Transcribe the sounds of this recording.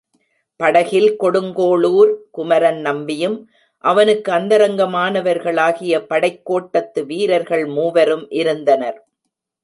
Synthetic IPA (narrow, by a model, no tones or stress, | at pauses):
pɐɽɐɣɪlkɔɽɯŋɡoːɭuːɾkʊmɐɾɐnnɐmbɪjɯm | ʔɐʋɐnɯkːɯɐnd̪ɐɾɐŋɡɐmaːnɐʋɐɾɣɐɭaːɣɪjɐpɐɽɐɪkːoːʈːɐt̪ːɯʋiːɾɐɾɣɐɭmuːʋɐɾɯmʔɪɾɯnd̪ɐnɐɾ